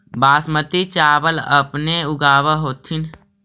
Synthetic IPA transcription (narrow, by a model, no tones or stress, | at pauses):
baːsmət̪it͡ʃaːʋələ̰pneʊɡaːʋəɦoːt̪ʰin